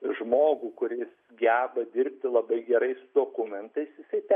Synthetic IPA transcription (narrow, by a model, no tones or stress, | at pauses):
ʒmoːɡukʊɾʲɪs | ɡʲæːbɐd̪ʲɪrʲpʲt̪ʲɪlˠɐbɐɪɡʲɛɾɐɪsʊd̪oːkʊmʲɛnt̪ɐɪsjɪsɐɪt̪ʲɛ